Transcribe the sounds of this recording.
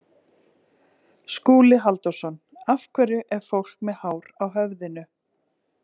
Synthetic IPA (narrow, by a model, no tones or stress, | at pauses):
skuːlɪɦalt̪ɔsɔn | afkʰvɛɾʏʔɛɾ̥fowl̥kmɛðhaːwɾawɦœvðɪnʏ